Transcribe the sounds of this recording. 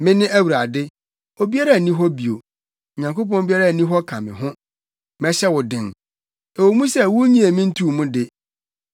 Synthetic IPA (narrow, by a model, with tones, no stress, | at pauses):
mɪ̃˦nɪ̃˦ʔæ˦wu˨ɾa˨dɪ˦ | o˨bi˦a˦ɾa˦˨nĩ˦ɦɔ˦bi˨o˨ | ɲã˨ŋko˦p̬ɔ̃˦n˦bi˦a˦ɾa˦˨nĩ˦ɦɔ˦kʰã˨mɪ̰̃˨ɦʊ̃˦ | mɛ˦ɕɛ˦wʊ˨dɪ̃˨n | ɛ˨wo˨mũ˦sɛ˦˨wʊ˦ɲĩ˦e˨mĩ˦n̩˦tʰu˦˨mũ˦dɪ˨